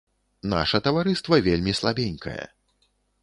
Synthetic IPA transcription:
na̰ʂɐt̪ɐvaɾɨst̪vɐvʲelʲmʲislˠabʲɛnʲkʰɐ̰jɛ̰

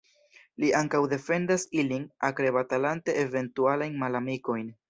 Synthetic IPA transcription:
liʔaŋkawde̞fe̞ndasilinakɾe̞βatalante̞ːve̞ntualajnmalamiko̞jn

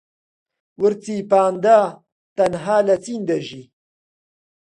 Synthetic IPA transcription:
wəɾt͡siːpaːnd̪a | t̪ɐnɦaːlɐt͡siːnd̪ɐʒi

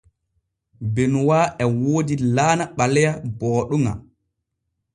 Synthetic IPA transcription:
benwaːʔɛwoːdilaːnaɓalɛjabɔːɗuŋa̰

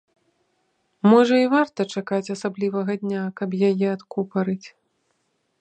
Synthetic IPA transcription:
mɔʐɐivart̪ɐt͡ʂakat͡sʲasablʲivɐɣɐd̪ʲnʲakɐpjajɛat̪kupɐɾɨt͡sʲ

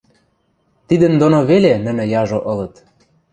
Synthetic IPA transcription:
t̪id̪ə̆nd̪onoβelenə̆nɘ̆jɑʒoʔɤ̆lɤ̆t̪

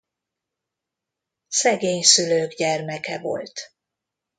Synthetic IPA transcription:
sɛɡeːɲsyløːɡɟɛrmɛkɛvo̞̰lt̪

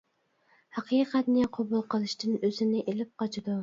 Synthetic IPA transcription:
hɑqʰiːqʰɛt̪nɪqʰobulˠqʰəlˠɨʃt̪ɨnøzɪnɪʔelɪp̚qʰɑt͡ʃʰid̪u

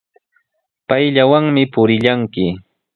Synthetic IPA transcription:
pajʎawaŋmɪpʊɾɪʎaŋkɪ

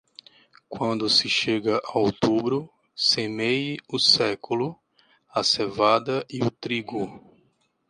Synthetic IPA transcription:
kwɐ̃nd̪ʊsɪʃeɡɐʔaowt̪ubɾʊ | semejʊsɛkulʊ | ɐsevad̪ɐʔiʊt̪ɾiɡʊ

